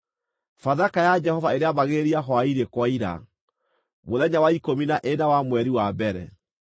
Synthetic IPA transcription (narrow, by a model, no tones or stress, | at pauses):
faðakajad͡ʒɛhɔvaeɾeaβaɣeɾiaɦɔaiɾekwaiɾa̰ | moðɛɲawaikominaʔenawamwɛɾiwabɛɾɛ̰